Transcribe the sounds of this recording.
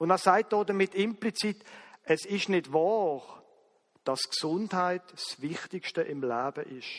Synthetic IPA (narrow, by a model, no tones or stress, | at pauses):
ʊndæsaɪt̚d̥oːdəmɪtɪmplit͡sitɛsɪʃnɪdvɑːʁ | d̥ɑsksʊndhaɪtsvɪχtɪkʃtəʔɪmlaːb̥əʔɪʃ